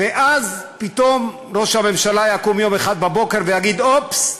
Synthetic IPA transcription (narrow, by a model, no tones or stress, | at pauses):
veʔazpit̪o̞m | ʁo̞ʃhame̞mʃalajakumjo̞meχad̪̚babo̞ke̞ʁvejaɡid̪ops